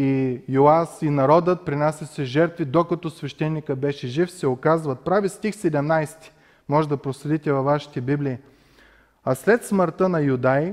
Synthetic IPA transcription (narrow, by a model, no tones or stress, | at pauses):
ijoasinɐɾɔd̪ət̪̚pɾinasʲɐsɛʒɛɾt̪vid̪okɐt̪ɔsvɛʃt̪ɛnːikəbɛʃɛʒifsɛokazvɐt̪̚pɾavist̪ixsɛd̪ɛmnajst̪i̥ | mɔʒɛd̪ɐpɾoslɛd̪it̪ʲɛvɐvːaʃi̥t̪ɛbibliː | aslɛt̪sməɾt̪ənɐjʊd̪aj